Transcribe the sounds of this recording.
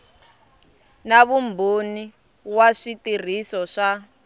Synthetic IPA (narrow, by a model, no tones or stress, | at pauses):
naβumbʱoni | waʂitir̤isɔʂa